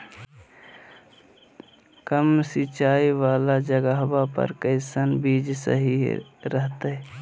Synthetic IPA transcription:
kəmsit͡ʃaːiwaːlad͡ʒəɡəɦbapə̰ɾkəɪsənbiːd͡ʒsə̰ɦiɾəɦt̪e

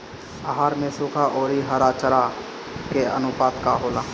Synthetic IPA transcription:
aɦaːɾmẽsuːkʰaʔoːɾiɦəɾat͡ʃəɾa | keə̰nʊpaːt̪kaɦoːlaː

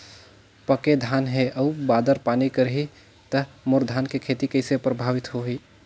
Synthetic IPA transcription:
pəked̪ʱanɦeʔəubad̪əɾpanikəɾɦi | t̪əmoɾd̪ʱankekʰet̪ikəɪsepɾəbʱaʋit̪ɦoɦi

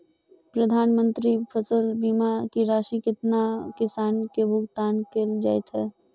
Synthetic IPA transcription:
pɾɐd̪ʱaːnmə̃nt̪ɾipʰəsəlbiːmakiɾaːʃikɪt̪nakɪsaːnkebʱʊɡt̪aːnkeld͡ʒaːɪt̪ɦɛː

